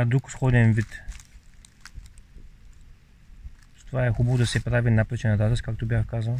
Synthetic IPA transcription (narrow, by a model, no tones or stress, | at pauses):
ad̪ɾuksxɔd̪ʲɛnvit̪ | st̪ovaɛxubɐvʊd̪ɐsɛpɾavinapɾɛt͡ʃɛnɐd̪azɛskakt̪obʲjaxkazɐn